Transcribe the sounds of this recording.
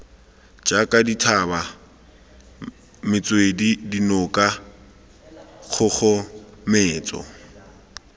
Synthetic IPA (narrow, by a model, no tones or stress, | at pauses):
d͡ʒakʼaditʰaba | mɪt͡sʼwedidinʊkʼa | k͡xʰʊχʊmɪːt͡sʼɔ̰